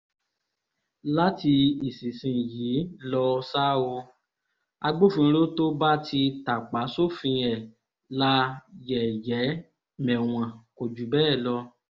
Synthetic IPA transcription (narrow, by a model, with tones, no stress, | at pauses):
la˦ti˧i˨si˨sĩ˧˨jiː˨˦lɔ˧saː˦wo˧ | a˧ɡ͡bo˦˨fũ˧ɾo˦to˦ba˦tʰi˧ta˨k͡pa˨˦so˦fĩ˧ɛ˨ | la˦jɛ˨jɛ˨˦ | mɛ̃˨w̃ã˨ko˨d͡ʒu˨˦bɛː˦˨lɔ˧